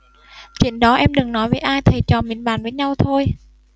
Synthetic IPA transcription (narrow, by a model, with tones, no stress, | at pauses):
t͡ɕwḭ˧˩ənɗɔ˨˦ʔɛ˧mɗɨ˨˩ŋnɔ˨˦jvəː˨˦jʔaː˧jt̪ʰə˨˩t͡ɕɔ˨˩mḭ˨˧˨ənɓa̰ː˧˨nvəː˨˦jɲa˧wt̪ʰo˧j